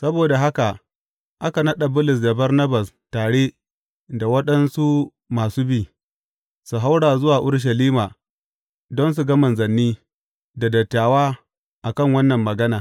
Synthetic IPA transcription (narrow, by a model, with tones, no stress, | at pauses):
sɐ˦boː˨da˨ɦa˦ka˨ | ʔa˦ka˨nɐ˦ɗa˨bʊ˦lʊ˨s̬da˨bɐ˦rnɐ˦ba˨s | taː˨ɽe˦ | da˨wɐ˦ɗɐ˦nsu˦ | maː˨suː˦biː˦˨ | su˨ɦa˦wɽaː˨zʊ˦waː˨ʔʊ˦ɽʃ̬ɐ˨liː˦maː˨ | dɔ˦ns̬u˨ɡɐ˦mɐ˨nzɐ˨nːiː˦ | da˨dɐ˨tːaː˨waː˦ | ʔa˨kɐ˦˨ŋwɐ˦nːɐ˨mːɐ˨ɡɐ˦naː˨